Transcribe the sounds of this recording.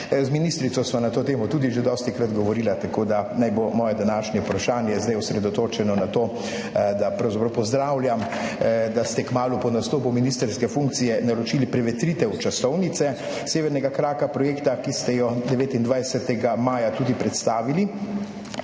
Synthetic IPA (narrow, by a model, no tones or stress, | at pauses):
zminist̪ɾit̪sɔsʋanat̪oːt̪eːmɔt̪uːd̪iʒed̪ɔːst̪ikɾad̪ɡɔʋɔɾiːlat̪akoːd̪anajbomɔːjɛd̪anaːʃnɛpɾaʃaːnjɛzd̪ajɔsɾɛd̪ɔt̪oːt͡ʃɛnɔnat̪oː | d̪apɾawzapɾɐwpɔzd̪ɾaːwlʲjam | d̪ast̪ɛkmaːlupɔnast̪oːpuminist̪ɛɾskɛfuŋkt̪sijɛnaɾɔt͡ʃiːlipɾɛʋɛt̪ɾiːt̪ɛwt͡ʃasɔwnit̪sɛ | seːʋɛɾnɛɡakɾaːkapɾɔjeːkt̪akist̪ɛjɔd̪ɛʋeːt̪ind̪ʋajsɛt̪ɛɡamaːjat̪uːd̪ipɾɛt̪st̪aːʋili